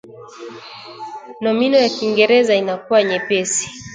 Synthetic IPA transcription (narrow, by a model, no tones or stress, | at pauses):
nɔminɔjakiŋɡɛɾɛzainakuwaɲɛpɛsi̥